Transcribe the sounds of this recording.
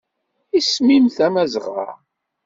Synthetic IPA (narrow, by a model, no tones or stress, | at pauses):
ismimθæmæzʁa̰